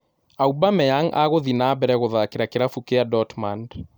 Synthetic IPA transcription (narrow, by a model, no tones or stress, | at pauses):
aubamɛaŋʔa̰ɣoðinabɛɾɛɣoðakeɾakeɾafukeadɔtmand